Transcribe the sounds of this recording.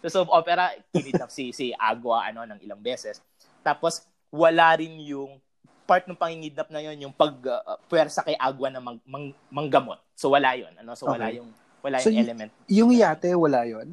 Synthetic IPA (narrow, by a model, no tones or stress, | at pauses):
sosobʔoːpɛɾɐkɪnid̪ɐp̚sisɪʔa̰ːɡwɐʔɐ̰no̞nɐŋɪ̰lɐŋbɛːsɛs | t̪aːpos | wɐlaɾɪnjʊŋ | paɹt̪̚nɐŋpɐŋhɪŋid̪̚nɐp̚nɐjo̞njʊŋpɐɡ̚pwɛɾsɐkɐjʔaːɡwɐnɐmɐɡmɐŋ | mɐŋɡɐmo̞̰t̪̚sowɐlajo̰nʔɐno̞soɐlajʊŋ | wɐlaːjʊɛlɛmɛnt̪̚jʊŋjaːt̪ɛwɐlajon